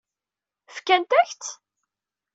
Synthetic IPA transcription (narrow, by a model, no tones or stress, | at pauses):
fkænt̪æçt͡s̪